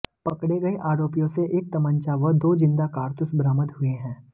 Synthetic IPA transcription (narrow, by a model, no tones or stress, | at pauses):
pɐkɽeɡɐeʔaːɾoːpijõseʔeːk̚t̪ɐmə̃nt͡ʃaʋəd̪oːd͡ʒɪ̃nd̪akaːɾt̪ʊsbɾaːmət̪ɦʊeɦɛ̃ː